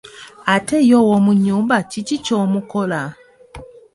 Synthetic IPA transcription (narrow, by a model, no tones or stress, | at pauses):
atejowomuɲːuːmbacicicomukola